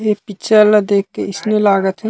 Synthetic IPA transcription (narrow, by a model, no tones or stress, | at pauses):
epit͡ʃʰəld̪eːkːeɪsnelaːɡət̪ɦɛ